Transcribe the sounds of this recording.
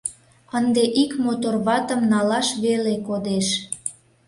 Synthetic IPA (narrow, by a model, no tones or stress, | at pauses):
ənd̪eʔikmot̪orβɑt̪ə̆mnɑlɑʃβelekod̪eʃ